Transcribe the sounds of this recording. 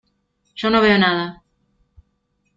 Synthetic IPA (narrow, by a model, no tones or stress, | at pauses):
ʃonõβeonaða